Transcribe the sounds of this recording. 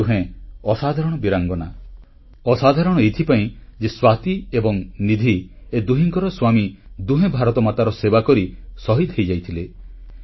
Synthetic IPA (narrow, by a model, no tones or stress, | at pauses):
uɦẽɔsad̪ʱaɾɔɽ̃ɔbiɾaŋɡɔna̰ | ɔsad̪ʱaɾɔɽ̃ɔejt̪ʰipaĩd͡ʒeswat̪iebɔŋnid̪ʱied̪uɦiŋkɔɾɔswamid̪uɦẽbʱaɾɔt̪ɔmat̪aɾɔsebakɔɾisɔɦit̪ɦejd͡ʒajt̪ʰile